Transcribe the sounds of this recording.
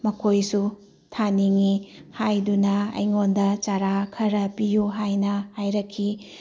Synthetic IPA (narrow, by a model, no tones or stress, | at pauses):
mɐkʰojsu | tʰaniŋihajdunɐɐ̰jŋondɐt͡ʃaɾakʰɐɾɐpijuɦajnɐhajɾɐkʰːi